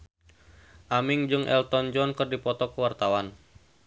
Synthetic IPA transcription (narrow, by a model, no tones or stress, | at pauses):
ʔamɪŋd͡ʒɨŋʔɛ̰lt̪ɔnd͡ʒɔnkɨrdipɔt̪ɔkəwart̪awan